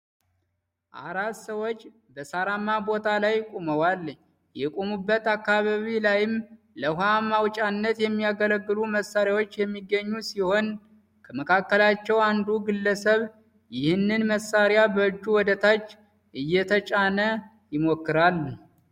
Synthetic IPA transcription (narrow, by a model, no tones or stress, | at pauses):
ʔa̰ɾat̪səwot͡ʃː | bəsaɾamːabot̪ʰalajkʼoməwal | jɛkʼomubːət̪akːaβaβilajɪm | ləɦʷamawt͡ʃʼanːət̪jɛmːijaɡələɡːɨluməsːaɾjawo̞t͡ʃːjɛmːiɡːəɲːusiho̞n | kʰəməkʰakːəlat͡ʃːɛwand̪uɡɨlːəsəβ | jɪhɨnːɨnməsːaɾjabəɨd͡ʒːuwɔd̪ət̪ʰat͡ʃː | ʔɨjːɛt̪ʰət͡ʃʼanə | jɪmokːɨɾalː